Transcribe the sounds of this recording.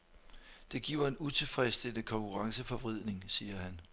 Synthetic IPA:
d̥e̝ɡ̥ḭːʊ̰ɐe̝nut͡sʰe̝lfʁɛsd̥eləkʰɒ̽ŋkʰuʁɑ̈ŋsəfɒ̽ʋʁið̰ˠne̝ŋsiːɐhæn

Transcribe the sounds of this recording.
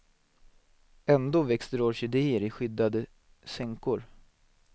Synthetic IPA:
ɛnd̪oːvɛkst̪əɾoːʂɪd̪eːəɾɪɧʏd̪ːad̪ə | sɛŋkʊɾ

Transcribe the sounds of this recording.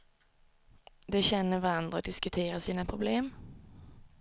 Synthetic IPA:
d̪eːçɛnːəʋæʁɑnd̪ʁəoːd̪ɪskʉt̪ʰeːʁəsiːnəpʰʁʊbleːm

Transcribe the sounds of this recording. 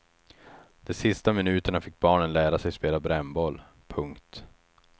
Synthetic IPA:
d̪̥ɔsɪst̪amɪnʉ̟ːt̪əɳafɪk̚ːbɑːɳənlæːɾasɛjspeːlabɾɛmbɔlː | pʰɵŋkt̪

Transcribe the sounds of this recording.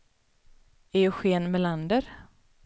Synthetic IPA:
æjɵɧeːnmɛland̪əɾ

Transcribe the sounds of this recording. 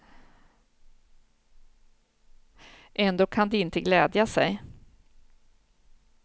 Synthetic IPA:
ʔɛnd̪oːkʰand̪ɛɪnt̪əɡlɛːd̪jasɛj

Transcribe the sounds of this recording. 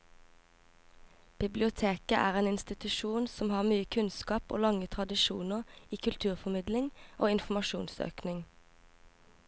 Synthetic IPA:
b̥ɪblɪʊt̪ʰeːkəʔæːʁeːnɪnst̪ɪt̪ʉʃuːnsɔmhɑːʁmyːəkʰʉnskɑːpo̰ːlɑŋət̪ʰʁɑd̪ɪʃṵːnəʁiːkʰʉlt̪ʰʉːʁfɔmɪd̪lɪŋʔoːɪnfm̩ɑʃuːnsø̰ːknɪŋ

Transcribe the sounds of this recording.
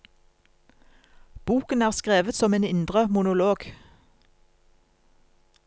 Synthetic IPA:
b̥uːkənæːʁskʁeːʋət̪sɔmeːnɪnd̪ʁəmʊnʊloːɡ

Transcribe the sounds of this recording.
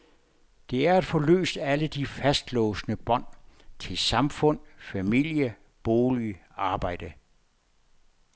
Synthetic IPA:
d̥e̝æɐæd̥fɒlø̰ːsd̥æləd̥ifæsd̥lɔːsnəb̥ɒ̽n̰t͡sʰe̝lsɑ̈mfɔ̽n̰fæmil̰jə | b̥o̝ːliɑ̈ːb̥ɑ̈ɪ̰d̥ə

